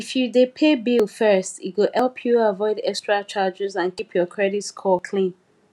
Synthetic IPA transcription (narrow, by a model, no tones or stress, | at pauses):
ifjudepʰebilfɜ˞stit̚wɪhɛlˠpʰjuavɔɪdɛkstɹat͡ʃad͡ʒɛzãnkipʰjɔkʰɹɛɾitskʰɔlkʰlĩn